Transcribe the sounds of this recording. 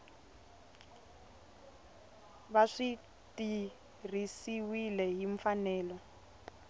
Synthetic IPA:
βaʂi | ti | r̤isiwilɛɦiɱfanɛːlɔ

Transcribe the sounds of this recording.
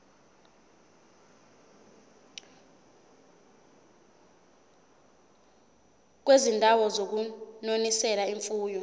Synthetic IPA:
k̬wezindʱawɔzok̬unonisɛlaiɱfuːjɔ

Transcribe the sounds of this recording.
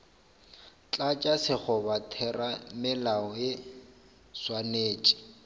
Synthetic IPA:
t͡ɬʼat͡ʃʼasɪk͡xʰɔbatʰɛramɪlaɔje | swaneːt͡ʃʼi̥

